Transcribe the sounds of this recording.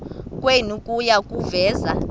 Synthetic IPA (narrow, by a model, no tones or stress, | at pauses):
kʼwenukʼujakʼuvɛːza